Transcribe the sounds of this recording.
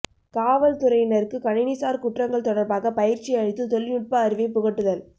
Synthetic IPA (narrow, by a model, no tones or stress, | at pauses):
kaːʋɐlt̪ʊɾɐɪnɐɾɯkːɯkɐɳɪnɪsaːɾkʊʈrɐŋɡɐɭt̪ɔɽɐɾbaːɣɐpɐjɪɾt͡ʃiɐɳɪt̪ːɯt̪ɔɭːɪnʊʈ̚pɐːɾɪʋɐɪpʊɣɐʈːɯðɐl